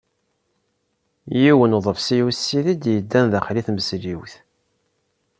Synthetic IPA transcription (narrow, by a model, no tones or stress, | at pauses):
jiwənðˤəvsijusːiðid̪jəd̪ːænðæχliθməsliwθ